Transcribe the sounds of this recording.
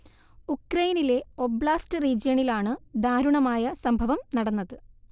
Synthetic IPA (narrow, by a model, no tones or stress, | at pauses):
ukrɐjnile̞o̞bɭaːstɨriːd͡ʑjɐɳilaːɳɨd̪aːɾuɳɐmaːjɐsɐmbʱɐʋɐmnɐɽɐnːɐðɨ